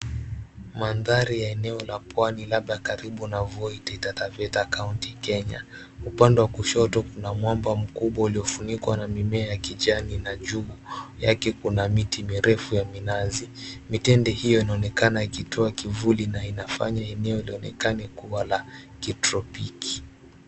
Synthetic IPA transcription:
manðaɾijaɛnɛɔlapwanilaɓɗakaɾiɓunavɔitiitatavɛtakauntikɛɲa̰ | upandɛwakuʃɔtɔkunamwambam̩kuɓwauliɔfunikwanamimɛajakiʄaninaʄujakɛkunamitimiɾɛfujaminazimitɛndɛhijɔinaɔnɛkanaikitʰɔakivulinainafa̰ɲaɛnɛɔiliɔnɛ̰kanɛkuwalakitɾɔpiki̥

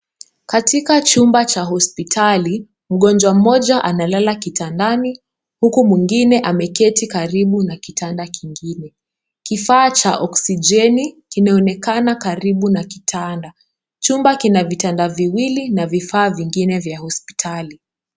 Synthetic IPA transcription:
katikat͡ʃumbat͡ʃaɦɔspitʰali | m̩ɠɔnd͡ʒwam̩mɔʄaʔanalalakitandani | hukumwiŋɡinɛʔamɛkɛtikaɾiɓunakitʰandakiŋɡinɛ | kifaːt͡ʃaʔɔksid͡ʒɛnikinaɔnɛkanakaɾiɓunaki̥tʰanda | t͡ʃumbakinavitandaviwilinavifaːviŋɡinɛvjahɔspi̥tʰali

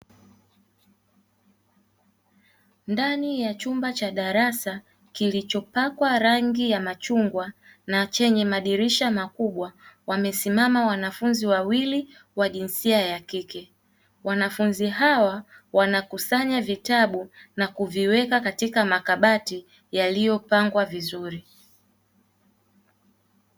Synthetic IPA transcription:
ndanijat͡ʃumbat͡ʃaɗaɾasa | kilit͡ʃɔpakwaɾaŋɡijamat͡ʃuŋɡwanat͡ʃɛɲɛmaɗiɾiʃamakuɓwawamɛsimamawanafunziwawili | waʄinsiajakikɛ | wanafunziɦawawanakusaɲavitaɓunakuviwɛkakatikamakaɓati | jalijɔpaŋɡwavizuɾi

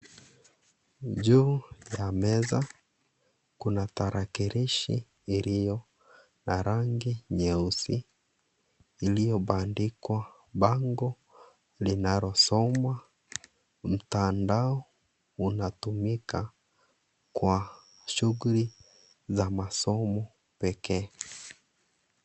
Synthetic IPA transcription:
ʄuːjamɛza | kunataɾʔakiɾiʃḭː | ɾijɔ | naɾaŋɡiɲɛusi | lijɔɓandikwa | ɓaŋɡɔ | linaɾɔsɔma | m̩tandaɔ | unatumika | kwa | ʃuɣuli | zamasɔmɔ | pɛkɛː

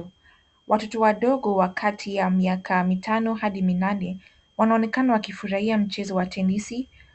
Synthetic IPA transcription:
wʔatɔtɔwaɗɔɠɔwakʰatʰijamiakʰamitʰanɔɦaɗiminanɛ | wanaɔnɛkanawakifuɾahiam̩t͡ʃɛzɔwatʰɛnisi

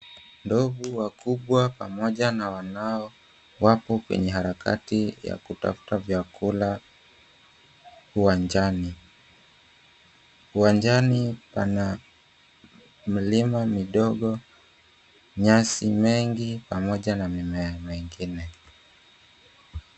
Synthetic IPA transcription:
ndɔɡuwakuɓwapamɔʄanawanaɔ | wapɔkwɛ̰ɲɛhaɾakʰa̰tija̰kuta̰fu̥tavjakʰula | uwand͡ʒani | uwand͡ʒanipana | m̩limamiɗɔɠɔ | ɲasimɛŋɡipamɔʄanamimɛamiŋɡinɛ

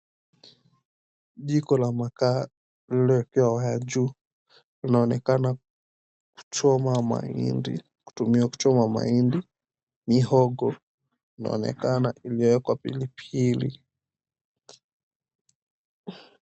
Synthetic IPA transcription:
ʄikɔlamaka | lilɛɛkɛwawajad͡ʒu | linaɔnɛkana | ku̥t͡ʃɔmama̰ḭndḭ | ku̥tumiwaku̥t͡ʃɔmama̰indi | nihɔɡɔ | lina̰ɔ̰nɛ̰kana̰ʔilijɔwɛkwapḭlipʰilḭ

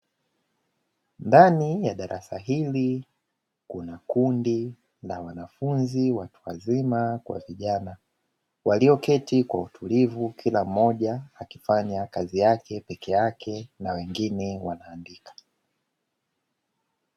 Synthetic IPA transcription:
ndanijaɗaɾʔasaɦili | kunakundi | nawanafunziwatu̥wa̰zimakwa̰viʄana | waliɔkɛtikwautʰulivukʰilam̩ːɔʄaːkifaɲakazijakɛpɛkɛjakʰɛnawɛŋɡinɛwanaːndikḁ

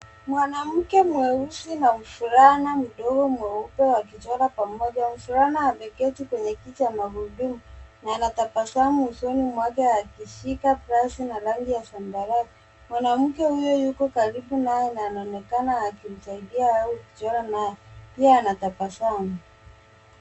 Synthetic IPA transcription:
mwanam̩kɛmuwɛusinam̩fuɾanam̩ɗɔɡɔmwɛupɛwak̬it͡ʃɔɾapamɔʄam̩fuɾanaavɛkɛtukwɛɲɛkit͡ʃamaɣuɗumunaːnatapasamuusɔnimwakaakiʃikapɾasinaɾaŋɡijasambaɾa | mwanam̩kɛhujɔjukɔkaɾiɓunajɛnaːnaɔnɛkanaːkim̩saiɗiaauki̥t͡ʃɔɾanajɛpiaːnatapasamu

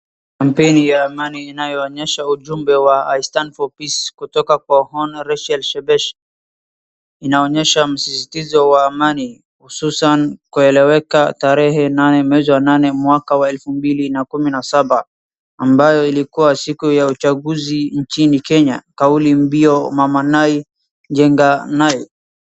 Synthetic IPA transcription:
kam̩pɛnijaːmaniːnajɔːɲɛʃauʄumbɛwaaistanfɔpiskutɔkakwahɔnɾɛʃɛlʃɛbɛʃ | inaɔɲɛʃam̩sisitizɔwaːmani | hususankuɛlɛwɛkataɾɛɦɛnanɛmwɛziwananɛmwakawaɛlfumbilinakuminasabaː | mbajɔilikuwasikujaut͡ʃaɡuziɲt͡ʃinikɛɲakaulimbiɔmamanai | d͡ʒɛŋɡanai

